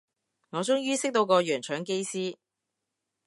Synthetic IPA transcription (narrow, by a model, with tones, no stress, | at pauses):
ŋɔː˨˧t͡sʊ˥ŋjyː˥sɪ˥k̚t̪o˧wkɔː˧jœː˨˩nt͡ʃʰœː˨˥ŋke˥jsiː˥